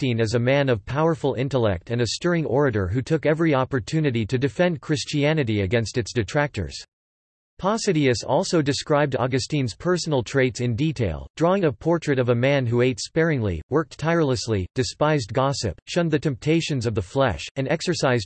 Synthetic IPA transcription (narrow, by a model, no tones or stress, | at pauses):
tĩnɨzɨmæ̃nʌv̥pʰaʊə˞fl̩ˠɪ̃ntəlɛ̰k̚tɨ̃nɨstɜ˞ɪ̃ŋʔɔɹɨɾə̰˞ɦʉtʰʊkɛvɹiɑpə˞tʰʉnɨɾiɾɨdɨfɛ̃nkʰɹ̥ɪst͡ʃiænɨɾiɨɡɛ̃nstɨtsd̥ɨtʰɹ̥æk̚tə̰˞z̥ | pʰɑsɨɾiɨsɔ̰lˠsoʊdɨskɹaɪb̚dɑ̰ɡɨstĩnz̥pʰɜ˞sn̩l̩ˠtʰɹ̥eɪtsɨ̃nditʰeɪlˠd̥ɹɔɪ̃ŋəpʰɔɹt͡ʃʰɹ̥ɨɾʌvəmæ̃nɦueɪtspɛɹɪ̃ŋlḭwɜ˞k̚tʰaɪə˞lˠəslid̥ɨspaɪzɡɑsɨ̰p̚ʃʌ̃nðɨtʰɛ̃mp̚tʰeɪʃɨ̃nzʌvðəflɛ̰ʃɨ̃nɛksə˞saɪz